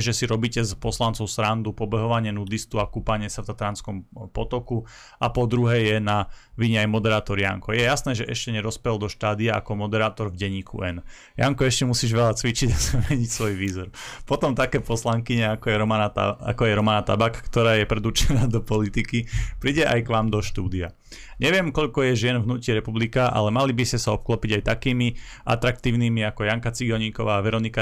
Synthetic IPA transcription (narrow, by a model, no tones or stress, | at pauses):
ʒɛsiɾɔbiːcɛzpɔslant͡sɔʊsɾand̪upɔbɛɦɔʋaɲɪɛnud̪ist̪uakupaɲɪɛsaft̪at̪ɛɾanskɔmpɔt̪ɔku | apɔd̪ɾuɦɛːjɛnaʋiɲɛajmɔd̪ɛɾaːt̪ɔɾja̰ŋkɔjɛjasnɛːʒɛʔɛʃcɛɲɛɾɔspɛld̪ɔʃt̪aːd̪iaʔa̰kɔmɔd̪ɛɾaːt̪ɔɾvɟɛɲiːkʰṵɛn | ja̰ŋkɔɛʃcɛmusiːʒʋɛʎat͡sʋit͡ʃiɟasamɛɲicsʋɔjʋiːzɔɾpɔt̪ɔmt̪akɛːpɔslaŋkiɲɛakɔjɛɾɔmana̰a̰kɔjɛɾɔmanat̪a̰bakkt̪ɔɾaːjɛpɾɛd̪ut͡ʃɛnaːd̪ɔpɔlit̪ikipɾiɟɛʔa̰jkʋaːmd̪ɔʃt̪uːd̪ia | ɲɛʋɪɛmkɔʎkɔjɛʒɪɛnvɦnuːciɾɛpublikaʔa̰lɛmalibiscɛsaɔp̚klɔpiɟajt̪akiːmi | ʔa̰t̪ɾak̚t̪iːʊniːmiakɔjaŋkat͡siɡɔɲiːkɔʋaːʋɛɾɔnika